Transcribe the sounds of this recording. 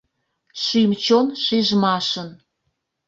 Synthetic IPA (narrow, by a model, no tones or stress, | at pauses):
ʃymt͡ɕonʃiʒmɑʃən